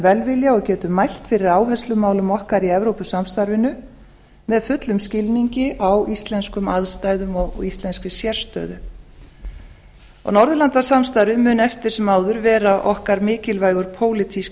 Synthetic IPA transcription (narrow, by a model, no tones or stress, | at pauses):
vɛlvɪljaɔɣcɛːt̪ʏmːajl̥t̪fɪɾɪɾaːwɦɛst̪lʏmaːwlʏmɔhkaɾiɛvɾowpʏsamst̪aɾvɪnʏ | mɛðfʏt̪lʏmscɪlniɲcɪʔawʔist̪lɛnskʏmaðst̪ajðʏmɔɣɔ̰ɣist̪lɛnskʏsjɛr̥st̪œ̰ːðʏ̰ | ɔ̰ɣnɔɾðʏlant̪asamst̪aɾvɪmʏnɛft̪ɪɾ̥sɛmaːwðʏɾvɛːɾaʔɔhkaɾmɪːcɪlvajɣʏɾ̥pʰoːwlɪt̪ʰis